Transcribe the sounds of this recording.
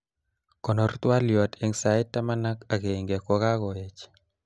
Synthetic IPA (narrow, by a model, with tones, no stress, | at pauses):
kɔ˨nɔ˨rt̪wa˦ljɔ˨tʰe˦ŋsa˨ɪ˦tːa˦ma˦na˦ka˨ke˨ŋɡe˨kɔ˨ka˦kɔ˨e˨t͡ʃ